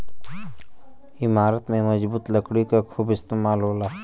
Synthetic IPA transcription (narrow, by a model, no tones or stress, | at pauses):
ɪmaːɾət̪mẽmɐd͡ʒbuːt̪ləkɽikakʰuːbɪst̪eːmaːlɦoːlaː